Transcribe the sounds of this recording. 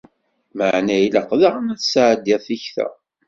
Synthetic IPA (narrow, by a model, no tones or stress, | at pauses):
məʕnæjləqðəʁmæθsʕəd̪jæθiçθæ̰